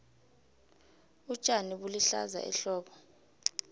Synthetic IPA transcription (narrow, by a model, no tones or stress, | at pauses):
u̥t͡ʃʼaniɓuliɬa̰za̰ʔɛ̰ɬɔːɓɔ